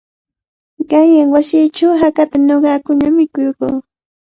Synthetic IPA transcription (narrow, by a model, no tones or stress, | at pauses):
ɢɑjaŋwasiːt͡ʃawɦakat̪anoɢɑːkʊnamɪkʊjkuː